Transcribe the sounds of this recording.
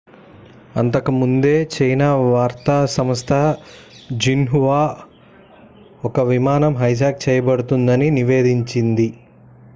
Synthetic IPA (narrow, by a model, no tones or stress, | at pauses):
ɐnt̪ɐkɐmund̪e̞ːt͡ʃɐjnaːʋaːɾt̪aːsɐmɐst̪ʰɐ | d͡ʒinɦuʋaː | ɔkɐʋimaːnɐmɦɐjd͡ʒaːk̚t͡ʃɛːjɐbɐɽut̪und̪ɐniniʋeːd̪iɲt͡ʃind̪i